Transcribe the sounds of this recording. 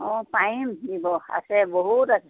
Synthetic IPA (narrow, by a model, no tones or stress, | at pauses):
ɔ̃paimdibɔa̰sɛboɦutasɛ